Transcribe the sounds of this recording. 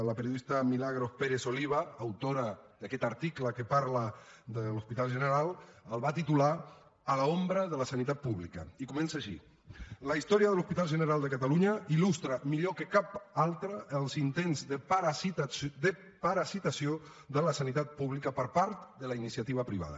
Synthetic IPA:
ləpəɾjoðist̪əmilaɣɾopeɾezoliβ̞aːwt̪oɾad̪akɛt̪aɾt̪ikləkəpaɾləd̪əluspit̪alˠʒənəɾalˠəlˠβat̪it̪ula | əlaombɾəðələsanit̪at̪̚puβlikɐ̰ikumɛnsaːʃḭ | ləist̪ɔɾiəðəluspit̪alˠʒənəɾalˠd̪əkat̪aluɲəilust̪ɾəmiʎokəkapalˠt̪ɾəʔːlˠzint̪enzðəpaɾid̪ə | paɾasit̪asijo | ðələsanit̪at̪̚puβlikəpəɾpaɾt̪d̪əlainisiat̪iβəpɾiβ̞a̰ðə̰

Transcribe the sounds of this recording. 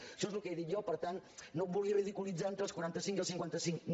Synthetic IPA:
ʃoezlukejðit̪jɔpəɾt̪annobuliəβiðikulid͡zaent̪ɾəlskwuɾant̪əsiŋkiəlˠsiŋkwant̪əsiŋkn

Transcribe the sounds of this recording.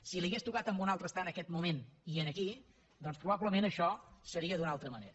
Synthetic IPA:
siliɣest̪ukat̪əmbunalˠt̪ɾəst̪anəkɛt̪mumeniənəki | d̪ɔnspɾuβabləmẽnəʃɔsəɾiəðunalˠt̪ɾəmənḛɾ

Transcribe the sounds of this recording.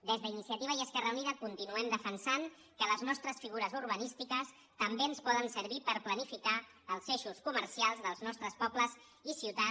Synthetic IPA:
d̪ezðəinisiət̪iβ̞əiəskɛrəuniðəkunt̪inuɛmd̪əfənsaŋ | kələznɔst̪ɾəsfiɣuɾəzuɾβənist̪ikəs | t̪əmbeənspɔðənsəɾβipəɾplənifika | əlˠzeʃuskuməɾsialˠzðəlˠznɔst̪ɾəspɔpləz | isiwt̪a

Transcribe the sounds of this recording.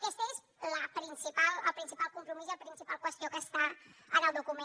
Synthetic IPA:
kɛst̪əes | ləpɾinsipaləpɾinsipalˠkumpɾumizəpɾinsipalˠkwəst̪iokəst̪aɾənəlˠd̪ukumẽ

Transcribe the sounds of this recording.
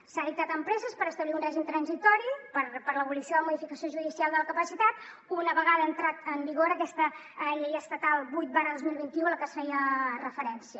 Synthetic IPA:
saðik̚t̪at̪əmpɾɛzəspəɾəst̪əβliunrɛʒimt̪ɾənzit̪ɔɾipəɾpəɾləβulisioðəəmuðifikəsioʒuðisialˠd̪ələkəpəsit̪at̪ | unəβəɣaðəːnt̪ɾat̪əmbiɣoɾəkɛst̪ə | ʎejəst̪ət̪alˠbujt̪̚baɾəðozmilˠβint̪iuələkəsfɛjərəfəɾɛnsiə

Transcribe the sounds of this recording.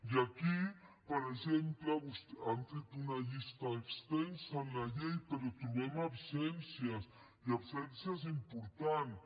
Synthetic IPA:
jakipaɾesemplaβust̪ant̪et̪unaʝist̪aekst̪ensalaʎejpeɾot̪oβemabsensjas | iabsensjas̬impoɾt̪an

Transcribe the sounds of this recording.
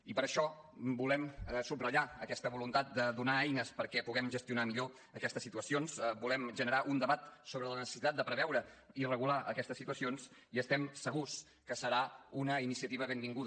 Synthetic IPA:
ipəɾəʃɔ | bulɛmsubrəʎaəkɛst̪əβulunt̪at̪̚d̪əðunaɛjnəspəɾkɛpuɣɛmʒəst̪iunamiʎo | əkɛst̪əsːit̪uəsionsbulɛmʒənəɾaʔund̪əβat̪soβɾələnəsəsit̪at̪̚d̪əpɾəβɛwɾəirəɣulaʔə̰kɛst̪əsːit̪uəsions | iəst̪ɛmsəɣus | kəsəɾaunəinisiət̪iβ̞əβembiŋɡuðə

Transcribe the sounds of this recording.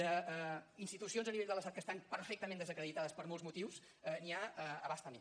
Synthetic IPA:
əɛinst̪it̪usionzəniβeʎd̪əlˠəst̪at̪̚kəst̪ampəɾfɛk̚t̪əmẽnd̪əzəkɾəðit̪aðəspəɾmolˠzmut̪iws | ɛniaəəβast̪əme

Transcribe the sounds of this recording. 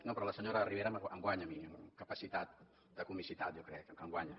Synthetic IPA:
nopɾɔləsəɲoɾəriβeɾəməəŋɡwaɲəmiəmkəpəsit̪at̪̚ | d̪əkumisit̪at̪̚ʒokɾɛkəŋɡwaɲə

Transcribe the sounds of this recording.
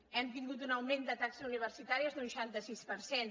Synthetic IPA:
ɛmt̪iŋɡut̪̬unəwmẽnd̪ət̪aksəzuniβ̞əɾsit̪aɾiəzðuuʃant̪əsispəɾsen

